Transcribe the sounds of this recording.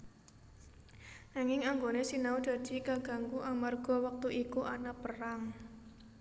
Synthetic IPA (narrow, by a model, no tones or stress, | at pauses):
naŋɪŋaŋɡonesinaud̪̥ä̤d̥i̤kaɡ̥ä̤ŋkuʔamarɡ̥ɔ̤wak̚t̪uʔikuʔanapəraŋ